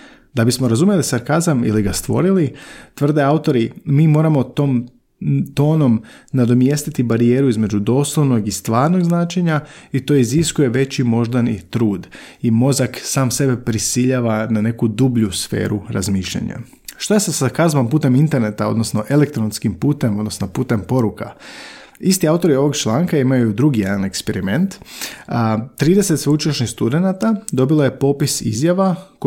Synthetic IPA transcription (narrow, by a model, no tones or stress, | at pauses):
d̪abismoɾazumjelisaɾkazamḭliɡast̪ʋo̞̰ɾilit̪ʋr̩d̪e̞aut̪o̞ɾimiːmo̞ːɾamot̪oːm | t̪o̞ːno̞mnad̪o̞mje̞st̪it̪ibaɾijeːɾuizme̞d͡ʑud̪o̞ːslˠoʋno̞ɡist̪ʋaːɾno̞ɡznaːt͡ʃeɲait̪o̞ːiziskuje̞ʋe̞t͡ɕimo̞ʒd̪anḭt̪ɾuːd̪imo̞zaksaːmse̞be̞pɾisiʎaːʋanane̞kud̪ubʎusfe̞̰ːɾuɾa̰zmiːʃʎa̰ɲa̰ | ʃt̪ojesesakazʋampuːt̪e̞mint̪e̞ɾne̞t̪ao̞d̪nosno̞ʔe̞lekt̪ɾonskimpuːt̪e̞mo̞d̪nosnopuːt̪e̞mpo̞ɾuka̰ | ist̪iaut̪o̞ɾio̞ʋo̞ɡt͡ʃlˠaːŋkaimajud̪ɾuɡijed̪ane̞kspeɾime̞nt̪ː | t̪ɾiːd̪ese̞t̪sʋeut͡ʃoʃnist̪ud̪e̞nat̪ad̪obiloje̞po̞ːpisizjaʋak